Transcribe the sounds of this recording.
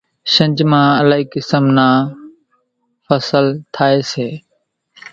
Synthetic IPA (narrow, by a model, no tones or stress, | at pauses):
ʃə̃ɲd͡ʒmãːəlaːɦiːkɪsəmnaː | fəsəlt̪ʰaːeːseː